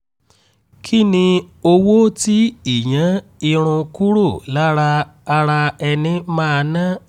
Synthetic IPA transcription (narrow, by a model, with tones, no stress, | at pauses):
kʰi˦˨nĩ˧o˧wo˦ti˦i˨jã˨˦i˧ɾ̃ũ˧ku˦ɾo˦˨la˦ɾaː˧ɾa˧ɛ˧nĩ˧mãː˦a˧nã˦